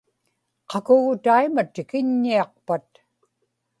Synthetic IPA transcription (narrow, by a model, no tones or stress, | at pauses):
qɑkʊɣʊt̪aimat̪ɪkɪɲːiɑq̚pat̪